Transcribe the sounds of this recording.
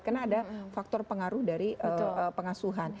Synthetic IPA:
kərnaːdafak̚t̪ɔrpəŋaɾʊhdaɾiʔəəpəŋasuɦan

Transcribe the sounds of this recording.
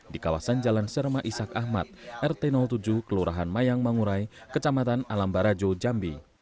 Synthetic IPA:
dikawa̰sand͡ʒalansərmaʔisakahma̰t̪̚ʔɛrt̪ɛnɔlt̪ud͡ʒuhkəluɾaɦanmajaŋmaŋuɾaikət͡ʃamat̪analambaɾad͡ʒod͡ʒambi

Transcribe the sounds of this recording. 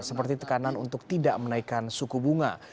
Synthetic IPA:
səpərt̪it̪ə̥kananunt̪ʊk̚t̪idaʔmənaikansukubuŋa̰

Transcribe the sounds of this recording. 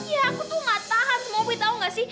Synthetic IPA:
kiɦãkut̪umat̪aɦat̪mõbit̪aũŋɡasi

